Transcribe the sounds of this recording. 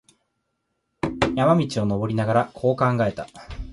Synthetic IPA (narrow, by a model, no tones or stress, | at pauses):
jamamʲit͡ɕio̞no̞bo̞ɾʲinaɡaɾakʰo̞ːkãŋɡae̞t̪a